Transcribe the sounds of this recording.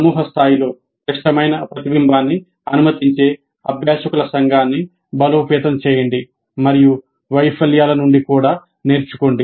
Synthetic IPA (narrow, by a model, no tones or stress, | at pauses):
sɐmuːɦɐst̪ʰaːjilo̞ː | kɾɐʂʈɐmɐjnɐpɾɐt̪ibimbʱaːnːi | ɐnumɐt̪iɲt͡ʃe̞ː | ɐbʱjaːʃɐkulɐsɐŋɡʱaːnːi | bɐloːpɛːt̪ɐmt͡ʃɛːjɐɳɖi | mɐɾiju | ʋɐjpʰɐljaːlɐnuɳɖikuːɽaː | neːɾt͡ʃu̥koɳɖi